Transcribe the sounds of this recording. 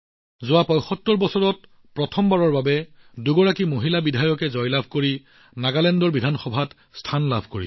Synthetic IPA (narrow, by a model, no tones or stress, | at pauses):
zʊwapɔjxɔtːɔɹbɔsɔɹɔt̚ | pɹɔtʰɔmbaɹɔɹbabɛduɡɔɹakimoɦilabidʱajɔkɛzɔjlabʱkoɹi | naɡalɛndɔɹbidʱanxɔbʱat | stʰanlabʱkoɹḭ